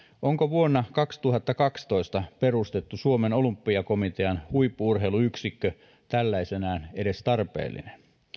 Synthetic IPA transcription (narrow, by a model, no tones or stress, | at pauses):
ʔoŋkoʋuonːɑkɑkst̪uɦɑt̪ːɑkɑkst̪oist̪ɑperust̪e̞t̪ːusuomeno̞lumpːiɑko̞mit̪eɑnhuipːuurɦeiluyksikːø | t̪ælːæisenæːnede̞st̪ɑrpḛːlːḭnen